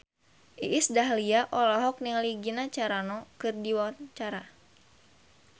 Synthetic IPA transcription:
ʔiʔːsdaɦliaʔɔlɔɦɔk̚niŋliɡinat͡ʃaɾanɔkɨrdiwɔnt͡ʃaɾa

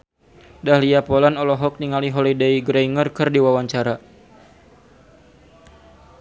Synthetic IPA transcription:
dahliapɔlanɔlɔɦɔk̚niŋaliɦɔlideiɡɾeiŋərkɨrdiwawaɲt͡ʃaɾa

